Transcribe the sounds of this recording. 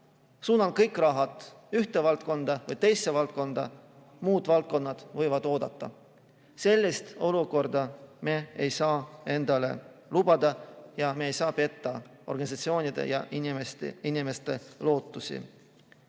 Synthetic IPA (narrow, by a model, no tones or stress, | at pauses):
suːnɑlkɤjkˑrɑɦɑt̪ˑ | yht̪e̞vɑlt̪̚ko̞nd̪̥ɑvɤjt̪e̞jsːevɑlt̪̚ko̞nd̪̥ɑ̰ | muːd̪̥vɑlt̪̚ko̞nːɑd̪̥vɤ̞jvɑd̪̥o̞ːd̪̥ɑt̪ˑːɑ̰ | se̞lʲːist̪o̞luko̞rd̪ɑme̞ejsɑːe̞nd̪̥ɑle̞̰lub̥ɑd̪̥ɑjɑmeejsɑːpe̞t̪ːɑ | o̞rɡ̥ɑnʲisɑt̪sio̞ːnʲid̪̥ḛjɑ̰ʔimst̪inime̞st̪e̞lo̞ːt̪ːˑusḭ